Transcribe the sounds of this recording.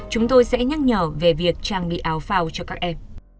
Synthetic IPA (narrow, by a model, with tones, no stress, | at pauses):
t͡ɕʊ˨˦ŋ͡mt̪o˧jsɛ̰˧˥ɲa˦˥t̚ɲəː˧˩ve˨˩vi˨˩ək̚t͡ɕaː˧˩ŋɓḭ˧˨ʔaː˨˦wfaː˧wt͡ɕɔ˧kaː˦˥k̚ʔɛ˧m